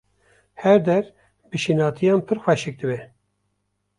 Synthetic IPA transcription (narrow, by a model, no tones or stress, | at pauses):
hɛɾd̪ɛɾ | bɨʃinɑːt̪ʰijɑːnpʰɨɾxwɛʃɪk̚d̪ɨbɛ